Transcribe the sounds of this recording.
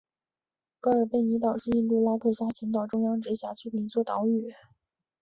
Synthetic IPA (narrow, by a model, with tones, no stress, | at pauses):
kɤ˧˥ə˞˨˩pe˥˩ɪni˧˥t̪ɑ˨˩ʊʂɻ̩˥˧i˥˧nt̪u˥˩la˥k̪ʰɤ˥˩ɕja˥t͡ɕʰi˧˥ŋt̪̬ɑ˨˩ʊʈ͡ʂʊ˥ŋjɑ˥ŋʈ͡ʂɻ̩˧˥ɕja˧˥t͡ɕʰy˥t̪i˧˩i˧˥t͡swɔ˥˩t̪ɑ˧˥ʊy˨˩